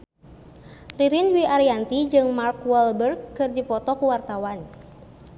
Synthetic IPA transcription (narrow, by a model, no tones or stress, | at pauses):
riɾinwiaɾiant̪id͡ʒɨŋmarkwɛlbərkːɨrdipɔt̪ɔkuwart̪awan